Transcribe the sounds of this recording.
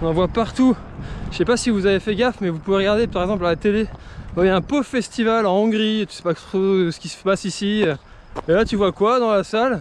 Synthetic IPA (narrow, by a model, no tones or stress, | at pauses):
ɔ̃nɑ̃vwapaʁt̪u | ʃɛpasivuzavefɛɡafmɛvupuveʁəɡaʁd̪epaʁɛɡzɑ̃p̬lalat̪elevajaɛ̃pofɛst̪ivalɑ̃ɔ̃ɡʁit̪y̥sɛ̥pat̪χosə̥kʲisə̥ə̥pasisi | elat̪yvwakwad̪ɑ̃lasal